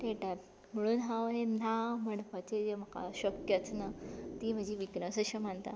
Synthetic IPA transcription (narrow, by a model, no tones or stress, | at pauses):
t̪eʈat̪ | m̤əɽ̃uːnɦãʋɦenaməɳpət͡ɕed͡ʑem̤əka̰ɕəkjət͡snat̪iːm̤əd͡ʑʱiʋiɡnəsəɕəməɳt̪a̰